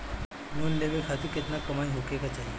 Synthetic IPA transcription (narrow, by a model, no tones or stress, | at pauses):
monleʋelkʰat̪iɾket̪nakəmaːiɦokekat͡ʃaːɦie